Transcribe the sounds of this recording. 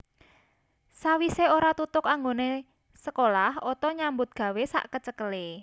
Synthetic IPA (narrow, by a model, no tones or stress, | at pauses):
sawiseoɾat̪ut̪ʊkaŋɡone | səkolahot̪ɔɲambʊt̪̚ɡ̥ä̤wesa̰ʔkət͡ʃəkəle